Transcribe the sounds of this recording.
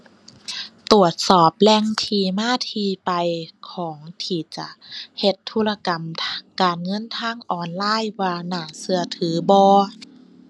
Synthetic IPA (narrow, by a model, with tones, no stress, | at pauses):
t̪u˨˩ət̪̚sɔː˨˩p̚lɛ˧ŋt̪ʰiː˧˩maː˧˥˨t̪ʰiː˧pa˨jkʰɔː˩˦ŋt̪ʰiː˧˩t͡ɕa̰˧he˧t̪ʰːuː˧˥˨la˧ka˨˩mkaː˨˩nŋɤ˧˥˨nt̪ʰaː˧˥˨ŋʔɔː˨˩nlaː˧˥˨jwaː˧naː˧˩sɯ˧ɐt̪ʰɯː˨˩˦bɔː˧